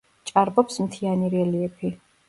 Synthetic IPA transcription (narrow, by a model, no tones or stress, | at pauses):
t͡ʃʼaɾbɔpsmt̪ʰianiɾɛliɛpʰi